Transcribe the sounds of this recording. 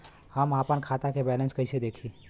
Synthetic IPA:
həmaːpənkʰat̪akebɛlə̃nskəɪsed̪eːkʰi

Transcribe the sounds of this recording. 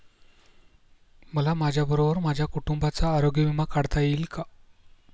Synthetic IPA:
məlamad͡ʑʱjabəɾobəɾmad͡ʑʱjakuʈumbʱat͡saːɾoɡjəʋimakaɽt̪ajiːlka

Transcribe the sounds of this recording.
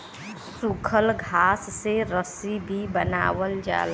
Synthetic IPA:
sukʰəlɡʱaːsːeɾəsibʱibəna̰ːwəld͡ʒa̰ːl

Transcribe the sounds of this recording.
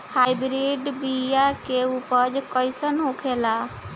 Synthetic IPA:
hajbɾiɖbijakeupəd͡ʒkəjsənɦokʰela

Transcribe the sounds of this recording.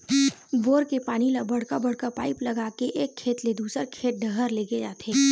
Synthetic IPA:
boːɾkepaːnilɐbɐɽkabɐɽkapaːɪplɐɡaːkeʔeːkʰːeːt̪led̪uːsəɾkʰeːt̪̚ɖəɦəɾleːɡed͡ʒa̰ːt̪eː

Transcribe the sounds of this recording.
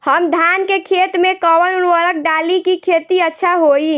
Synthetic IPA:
həmd̪ʱankekʰet̪mẽkəwənunʋəɾək̚ɖalikikʰet̪iətːʃʰaɦoi

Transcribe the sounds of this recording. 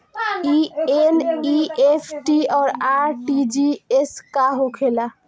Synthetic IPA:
ieniepʰʈiɔːɾaɾʈid͡ʒieskaɦokʰela

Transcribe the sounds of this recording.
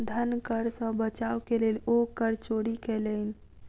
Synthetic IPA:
d̪ʱənkəɾsə̃bət͡ʃaokelelokəɾt͡ʃoɽikɛlən

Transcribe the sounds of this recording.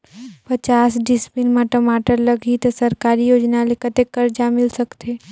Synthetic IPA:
pɐt͡ʃaːsɖɪspinmãʈəmaːʈəɾlɐɡit̪osɐɾkaːɾijoːd͡ʒnalekɐt̪ekəɾd͡ʒamɪlsɐkt̪eː

